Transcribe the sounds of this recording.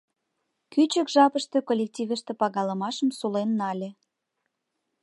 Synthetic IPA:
kyt͡ɕəkʒɑpəʃt̪økolʲek̚tʲivəʃt̪ĕpɑɣɑləmɑʃəmsulenːɑlʲe

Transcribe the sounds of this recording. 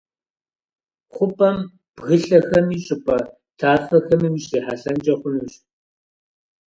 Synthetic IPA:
qʷʊpʼɐm | b̥ɣɨɬɐxɐmiːɕʼɪpʼɐ | tʰaːfɐxɐmɨmiɕiːħaɬɐnt͡ʃʼɐχʷʊnuːɕ

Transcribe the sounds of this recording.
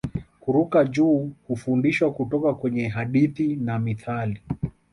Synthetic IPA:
kuɾukad͡ʒuːhufundiʃwakutɔkakwɛɲɛɦaɗiθinamiθali

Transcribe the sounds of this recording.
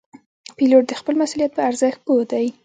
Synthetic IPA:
piloʈ̚d̪əxpəlmasulijat̪̚pəaɾzəxt̪̚pod̪aj

